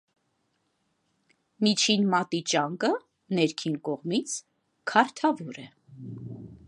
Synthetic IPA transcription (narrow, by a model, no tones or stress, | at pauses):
mit͡ʃʰinmɑt̪it͡ʃɑŋkə | nɛɾkʰinkɔʁmit͡sʰ | kʰɑɾt̪ʰɑvɔɾɛ